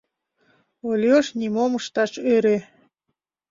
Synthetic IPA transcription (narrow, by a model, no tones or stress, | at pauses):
olʲjoʃnimomɤʃt̪ɑʃøɾe